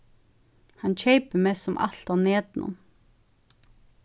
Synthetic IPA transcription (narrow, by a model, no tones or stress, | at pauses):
hant͡ʃʰejpəmɛsɔmʔa̰l̥t̪aneːt̪nʔʊ̰n